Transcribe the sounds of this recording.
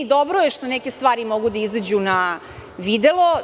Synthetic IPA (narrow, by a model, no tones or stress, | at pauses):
d̪obɾojeʃt̪onɛke̞st̪ʋaːɾimo̞ɡud̪aizad͡ʑuna | ʋid̪elo